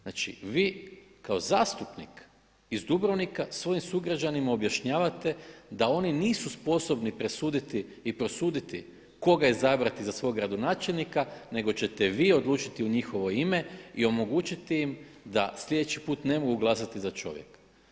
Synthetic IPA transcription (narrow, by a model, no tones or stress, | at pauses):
naːt͡ʃḭʋiːkao̞zaːst̪upnik | izd̪ubɾoʋnikasʋo̞jimsuɡɾad͡ʒanimaobjaʃɲaːʋat̪e̞d̪ao̞niniːsuspo̞so̞bnipɾe̞suːd̪it̪iːpɾo̞suːd̪it̪ḭ | ko̞ɡaizabɾat̪izasʋo̞jɡɾad̪o̞naːt͡ʃelnikane̞ɡo̞t͡ʃe̞t̪e̞ʋiːo̞d̪lˠuːt͡ʃit̪iuɲixo̞ʋo̞ime̞io̞mo̞ɡuːt͡ʃit̪iim | d̪asʎʲe̞d̪e̞t͡ɕipuːt̪ne̞moɡuɡlˠas̬at̪izat͡ʃo̞̰ʋjḛk